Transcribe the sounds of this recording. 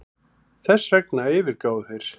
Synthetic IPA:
θɛsːvɛknaɪːvɪɾkaːwðθejɾ̥

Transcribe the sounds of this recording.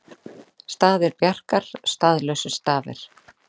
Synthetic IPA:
st̪aːðɪɾpjar̥kaɾ̥st̪aːðlœɥsʏ̥st̪aːvɪ̰ɾ̥

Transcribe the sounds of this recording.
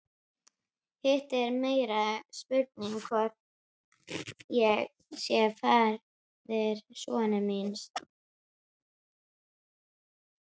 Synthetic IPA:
hɪht̪ɛɾmeːjɾaspʏɾt̪̚nɪŋkʰvɔɾ̥t̪ | jɛɣ | sjɛfaɾ | ðɛɾsɔ̰ːnɪmins

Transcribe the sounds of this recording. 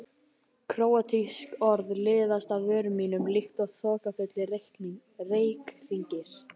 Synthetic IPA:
kʰɾoːwat̪ʰiskɔɾðlɪːðast̪avœːɾmiːnʏmlixt̪ɔɣθɔːkafʏt̪lɪrejhkniŋ | reːjkriɲcɪɾ̥

